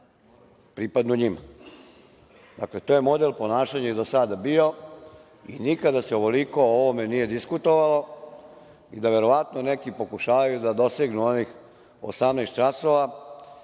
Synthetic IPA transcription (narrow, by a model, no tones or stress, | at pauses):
pɾipad̪nuɲima̰ | d̪akle̞t̪oje̞mo̞d̪e̞lpo̞naːʃaɲajed̪osad̪abio̞ | ḭnikad̪aseoʋo̞liko̞oʋomenije̞d̪iskut̪oʋalo̞ | id̪aʋe̞ɾo̞ʋat̪nonekipo̞kuʃaːʋajud̪ad̪o̞seɡnuonix | o̰samnest̪̚t͡ʃasoʋa